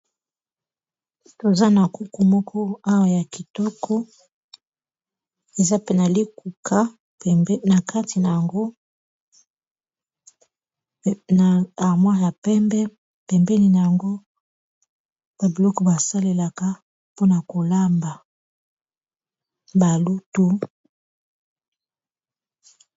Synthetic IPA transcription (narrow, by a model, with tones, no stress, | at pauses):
to˨za˦na˨ku˦ku˨mɔ˦kʰɔ˦a˦wa˨ja˨ki˨tɔ˦kɔ˦ | e˨za˦pe˦na˨li˦ku˨kʰa˦˨˦ | na˨kʰa˦ti˨na˨ja˨ŋɡo˦ | n˨a˨mwa˦ja˨pɛ˦mbɛ˦ | pɛ˨mbɛ˦ni˨na˨ja˨ŋɡo˦ | ba˨bi˨lɔ˦kɔ˨ba˨sa˦le˨la˨ka˦ | po˦na˨ko˨la˦mba˨ | ba˨lu˦tu˦